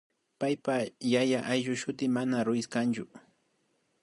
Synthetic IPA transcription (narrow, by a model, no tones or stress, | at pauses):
pajpajajaʔajʒʊʃʊt̪ɪmanaɾʊjɪskant͡ʃʊ